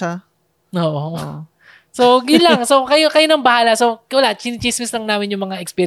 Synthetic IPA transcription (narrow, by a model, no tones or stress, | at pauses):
oːʔo | soɡilaŋsokɐjokɐjonɐŋbɐhaːlɐsokɪwɐlaʔt͡ʃinɪt͡ʃismɪslɐŋnaːmɪnjʊŋmɐŋaʔɛkspiːɾ